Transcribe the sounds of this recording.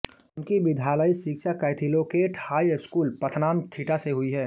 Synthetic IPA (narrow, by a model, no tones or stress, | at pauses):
ʊnkibɪd̪ʱjaːləisɪkʃakəːɪt̪ʰiloːkeːʈhaːiskuːlpət̪ʰnaːmt̪ʰiːʈaseɦʊiɦɛː